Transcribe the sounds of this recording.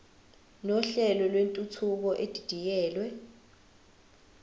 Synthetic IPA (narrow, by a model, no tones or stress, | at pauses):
nɔɬɛlɔlwentʼut͡sʰuk̬ɔʔed̥ʱid̥ʱijɛːlwɛ